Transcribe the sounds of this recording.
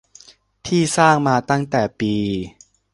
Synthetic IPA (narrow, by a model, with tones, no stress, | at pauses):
t̪ʰiː˥˩saː˥˩ŋmaː˧t̪a˥˩ŋt̪ɛː˨˩piː˧